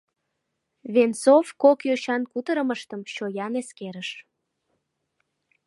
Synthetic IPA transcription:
βensofkokjøɕɑnkut̪əɾəməʃt̪əmɕojɑneskeɾəʃ

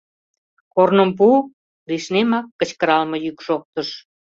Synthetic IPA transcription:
kornəmp̬u | riʃnemɑkːə̆t͡ɕkəɾɑlmɤ̆jykʃok̚t̪əʃ

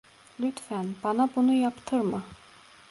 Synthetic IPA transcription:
lyt̪fænb̥ɑnabunujɑpt̪ʰɯɾmɯ

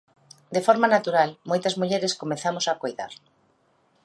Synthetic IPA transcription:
d̪efɔɾmanat̪uɾalmojt̪ɐzmuʎeɾeskomeθamosakojða̰ɾ

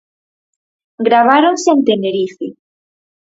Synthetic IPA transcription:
ɡɾaβ̞aɾoŋseent̪eneɾiθe

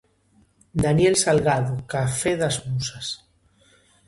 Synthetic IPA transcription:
d̪anjelsalɣaðokafeðazmusas

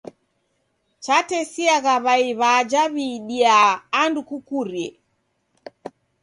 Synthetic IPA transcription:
t͡ʃatɛsiaɣaβaiβad͡ʒaβiɗiaːndukukuɾjɛ

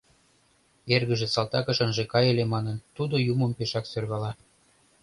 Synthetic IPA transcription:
erɣəʒĕsɑlt̪ɑkə̆ʃə̆nʒekɑjelemɑnənt̪ud̪ojuməmpeʃɑksørɣɑlɑ

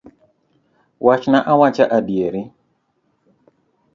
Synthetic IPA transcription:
wʔat͡ʃnaʔawat͡ʃaʔadjeɾɪ

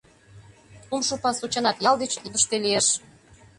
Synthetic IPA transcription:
umʃopɑsut͡ɕɑnɑt̪jɑld̪et͡ɕd̪əʃt̪elijeʃ

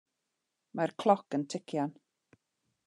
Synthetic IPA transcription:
markʰlˠɔkəntʰɪkʰjan

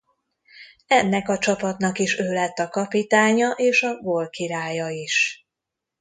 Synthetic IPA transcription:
ɛnːɛkɒt͡ʃɒpɒt̪nɒkiʃøːlɛt̪ːɒkɒpit̪aːɲɒʔeːʃɒɡolkiɾaːjɒiʃ

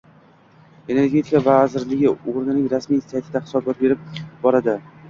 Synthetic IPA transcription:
e̞ne̞ɾɡʲe̞t̪ʰɪkavazɪɾlɪɡʲɪoɾnɪnɪŋɾasmijsjat̪ʰɪd̪ahɪ̥sɒbat̪̚be̞ɾɪp̚bɒɾad̪ɪ

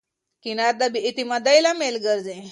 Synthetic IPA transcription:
kinaɾd̪abiʔit̪imad̪ajlamelɡəɾd͡zẽ

